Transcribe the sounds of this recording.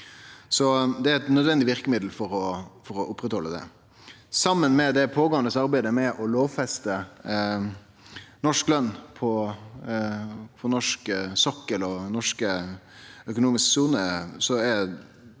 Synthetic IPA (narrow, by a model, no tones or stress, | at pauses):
sɔd̪ɛæɾɛt̪nœd̪ʋɛnd̪ɪʋɪɾkəmɪd̪l̩fɔɾɔfɔɾɔʔʊpːɾɛt̪hɔlːəd̪ɛ̰ | sɑmːənmɛd̪ɛpʰoːɡoːənd̪əsɑɾbæɪd̪əmɛʔɔloːʋfɛst̪ə | nɔʂklœnːpʰɔ | pʰɔnɔʂksɔkːəlɔnɔʂkə | œkʊnuːmɪsksuːnəsɔɛ